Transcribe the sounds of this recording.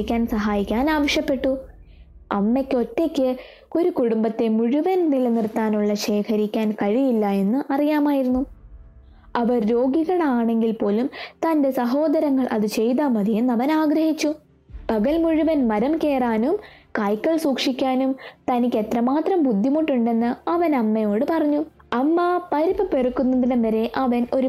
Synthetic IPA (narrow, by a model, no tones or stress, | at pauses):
kʲːaːnsɐɦaːjikʲːaːnaːʋɐʂjɐpːe̞ʈːu | ɐ̰mːekʲːo̞tːekʲːɨ | o̞ɾukuɽumbɐt̪ːe̞muɻuʋɐnnilnirt̪ːaːnuɭːɐɕe̞ːkʰɐɾikʲːaːnkɐɻijilːɐe̞nːɨʔɐrijaːmaːjiɾunːu | ɐʋɐɾɾo̞ːɡiɣɐɭaːɳe̞ŋɡilpo̞ːlumt̪ɐnde̞sɐɦo̞ːd̪ɐɾɐŋːɐɭʔɐ̰ðɨt͡ɕe̞jt̪aːmɐðijenːɐʋɐnaːɡɾɐhit͡ɕːu | pɐɣɐlmuɻuʋɐnmɐɾɐmke̞ːraːnumkaːjkʲːɐɭsuːkʂikʲːaːnumt̪ɐnikʲːe̞t̪rɐmaːt̪rɐmbud̪ʱːimuʈːuɳɖe̞nːɨɐʋɐnɐmːɐjo̞ːɽɨpɐrɐɲːu | ɐmːɐpɐɾibɐperukːunːɐðiɽeɐɾe̞ʔɐʋɐno̞ɾu